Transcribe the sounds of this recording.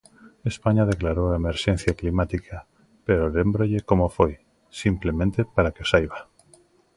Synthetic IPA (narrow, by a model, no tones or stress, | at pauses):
espaɲað̞eklaɾowaemeɾʃẽn̟θjaklimat̪ikʰa | peɾolembɾoʎekomofoj | simplemẽnt̪epaɾakeosajβa